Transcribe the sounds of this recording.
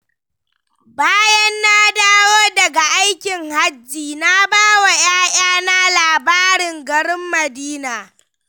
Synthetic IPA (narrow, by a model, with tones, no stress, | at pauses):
baː˦jɐ˦nːa˦daː˦woː˦dɐ˨ɡa˨ʔa˦jkʲɪ˨ŋha˦d͡ʒːiː˨na˦baː˦wa˨j̰aː˦j̰aː˦na˦laː˨baː˦ɽɪ˨ŋɡɐ˨ɽɪ˦mːɐ˨diː˦naː˨